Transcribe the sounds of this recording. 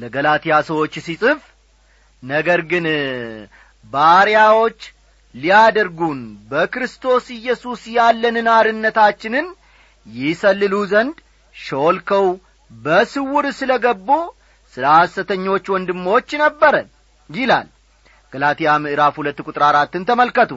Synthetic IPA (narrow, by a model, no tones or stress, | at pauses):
ləɡəlat̪ʰijasəwo̞t͡ʃːsisʼɨf | nəɡəɾɡɨn | baɾijawo̞t͡ʃː | lijad̪əɾɡunbəkɾɨst̪ʰo̞sɪjːɛsusjalːənɨnaɾɨnːət̪at͡ʃːɪnɨn | jɪsəlːɨluzənd̪ | ʃolkʰəw | bəsɨwʊɾsɨləɡəbːu | sɨləhasət̪ʰəɲːo̞t͡ʃːwɔnd̪ɨmːo̞t͡ʃːnəbːəɾə | jɪla̰l | ɡ̥əlat̪ijamɨʔɨɾafhulət̪ːkʼut̪ʼɾaɾat̪ːɨnt̪ʰəməlkət̪ʰu